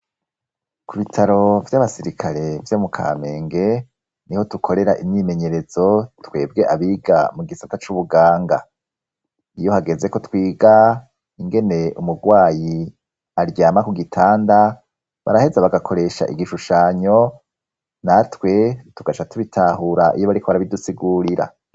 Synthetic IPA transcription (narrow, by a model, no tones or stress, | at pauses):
kuβitʰaɾo̞vjaβasiɾikʰaɾe̞vjomukʰa̰ːme̞ːŋɡe̞ | niho̞tukʰo̞ɾe̞ɾaʔiɲɲime̞ɲe̞ɾe̞z̥o̞twe̞̰ːb̚ɡe̞ʔaβiɡa̰muɡisatat͡ʃuβuɡaːŋɡa | ijo̞haɡe̞ze̞ko̞twiːɡa | iŋɡe̞ne̞umuɡwaːji | aɾjaːmakuɡitʰaːnda | βa̰ɾahe̞zaβaɡakʰo̞ɾe̞ʃa̰ʔiɡiʃuʃaːɲo̞ | natwe̞tuɡat͡ʃatuβitʰaːhuɾaʔḭjoβaɾikʰoβaɾaβidusiɡuɾiɾa̰